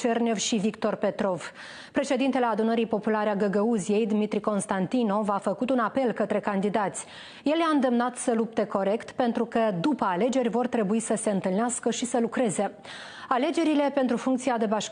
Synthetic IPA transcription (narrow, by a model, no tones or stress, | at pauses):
t͡ʃernʲevʃivikt̪o̞rpe̞t̪ɾo̞v | pɾe̞ʃe̞d̪int̪e̞le̞ad̪unəɾijpo̞pulaɾeaɡəɡəuzije̞jd̪mit̪ɾiko̞nst̪ant̪ino̞vafəkut̪unape̞lkət̪ɾe̞kand̪id̪at̪sʲ | je̞ljaɨnd̪e̞mnat̪səlup̚t̪e̞ko̞ɾe̞kt̪pe̞nt̪ɾukəd̪upəale̞d͡ʒe̞rʲvo̞rt̪ɾe̞buisəse̞ɨnt̪ɨlneaskəʃisəlukɾe̞ze̞ | ale̞d͡ʒe̞ɾile̞pe̞nt̪ɾufuŋkt̪siad̪e̞baʃ